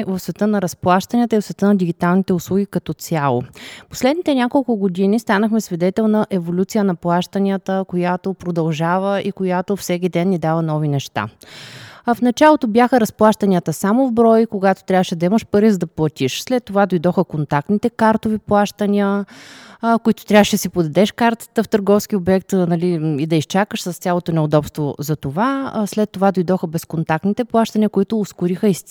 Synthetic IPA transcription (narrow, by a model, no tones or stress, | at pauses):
vəfsvɛt̪ɤnɐɾɐsplˠaʃt̪ənʲiət̪əivsvɛt̪ənɐd̪iɡ̟it̪alˠnit̪ɛʊslˠuɡʲikɐt̪ɔt̪sʲjalˠo̰po̥slɛd̪nit̪ɛnʲakolˠkʊɡod̪inist̪anəxmɛsvid̪ɛt̪ɛlˠnɐʔɛvolʲut̪sijənɐplˠaʃt̪ənʲiət̪əkojat̪opɾod̪ɐlˠʒavəʔikojat̪ofsɛkʲid̪ɛnːid̪avənɔvinɛʃt̪a̰ | fnɐt͡ʃalˠot̪objaxəɾɐsplˠaʃt̪ənʲiət̪əsamovbɾɔjkoɡat̪o̥t̪ɾʲavəʃɛd̪ɐiməʃpəɾizəd̪ɐplˠɐt̪ʲiʃslɛt̪ːovad̪ojd̪ɔxəkont̪ak̚t̪nit̪ɛkaɾt̪oviplˠaʃt̪ənʲiə | koit̪ʊ̥t̪ɾʲavəʃɛd̪əsipod̪ɐd̪ɛʃkaɾt̪ə̥t̪əft̪əɾɡɔfskʲiobɛk̚t̪nɐliid̪ɐist͡ʃakəʃsəst̪sʲjalˠot̪onɛod̪ɔpst̪vozɐt̪ovaslɛt̪ːovad̪ojd̪ɔxəbɛskont̪ak̚t̪nit̪ɛplˠaʃt̪ənʲiəkʊit̪ʊːskʊɾixəis